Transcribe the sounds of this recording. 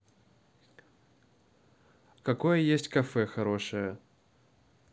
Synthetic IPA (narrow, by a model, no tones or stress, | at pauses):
kɐkojəjesʲtʲkɐfɛxɐɾoʂɨjə